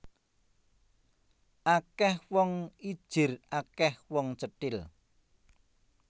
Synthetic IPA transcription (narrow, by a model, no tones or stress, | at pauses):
ʔakɛhwɔŋi̥ʒ̥ɪ̤rʔakɛhwɔŋt͡ʃəʈɪl